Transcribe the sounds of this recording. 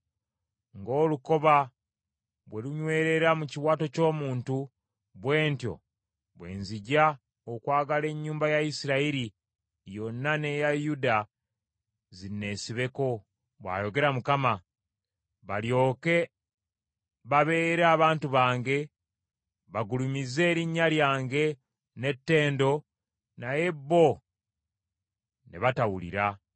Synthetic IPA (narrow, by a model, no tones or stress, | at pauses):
ŋɡo̞ːluko̞βa | βwe̞luɲwe̞ːɾe̞ɾamuciwaːto̞co̞ːmuːntu | βwe̞ːntjo̞̰ | βwe̞̰ːnziɟa | okwaːɡale̞ɲːuːmbajaisiɾaiɾi | jo̞nːane̞jajuda | zinːe̞ːsiβe̞ko̞ | βwa̰ːjo̞ɡe̞ɾamukama | βaljo̞ːke̞ | βaβe̞ːɾeaːβaːntuβaːŋɡe̞ | βaɡulumizːe̞ːɾiɲːaljaːŋɡe̞ | ne̞tːe̞ːndo̞ | naje̞bːo̞ | ne̞̰βatawulḭɾa